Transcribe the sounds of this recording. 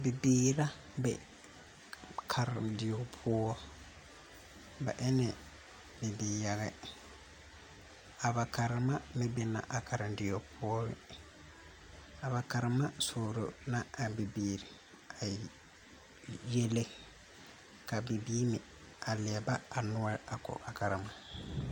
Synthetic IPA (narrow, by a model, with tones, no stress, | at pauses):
bi˨biːɾa˦ | bɛ̰˨ | kʰaɾdi˨ɔ˨pʰɔː˦ | ba̰˨ʔɛ˦nɛ | bɛ˨bɛjaɡɛ˦ | a˨bakaɾma˦mɛ˨bɛ˨na̰˨ʔa˨kʰa˨ɾndi˨jɔ˨pʰɔ˦bɛ̰˨ | a˨ba˨ka˨ɾma˦soː˨ɾo̰˨naː˦˨bi˨biːɾi˨ | a˨ | je˦le˦ | ka˨bi˨biː˦mi˨ | ʔa˨lɪ˨ɛ˨ba˦a˨nʊ˦ɛ˦ɾa˨kɔ̰˨ʔa˨ka˨ɾma˨